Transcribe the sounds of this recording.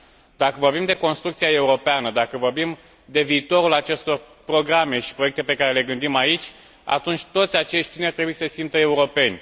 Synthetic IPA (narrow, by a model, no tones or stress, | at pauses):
d̪akəvo̞rbimd̪e̞ko̞nst̪ɾukt̪sijae̞uɾo̞peanəd̪akəvo̞rbim | d̪e̞viːt̪o̞ɾulat͡ʃe̞st̪o̞r | pɾo̞ɡɾame̞ʃi̥pɾo̞jekt̪eepe̞kaɾele̞ɡɨnd̪imait͡ʃʲ | a̰t̪unt͡ʃʲt̪o̞t̪sʲat͡ʃe̞ʃt̪ʲt̪ineart̪ɾe̞bujesəsimp̚t̪əe̞uɾo̞pe̞nʲ